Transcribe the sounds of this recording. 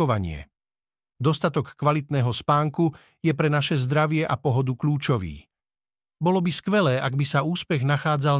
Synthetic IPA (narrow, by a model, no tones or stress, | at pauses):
ɔʋaɲɪɛ̰ | d̪ɔst̪at̪ɔkːʋalit̪nɛːɦɔspaːŋku | jɛpɾɛnaʃɛzd̪ɾaʋɪɛʔapɔɦɔd̪ukʎuːt͡ʃɔʋḭː | bɔlɔbiskʋɛlɛːʔaɡbisauːspɛɣnaxaːd͡zal